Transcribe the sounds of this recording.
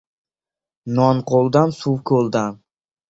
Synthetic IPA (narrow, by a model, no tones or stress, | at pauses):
nɒnqʰolˠd̪ansuwkʰɵlˠd̪an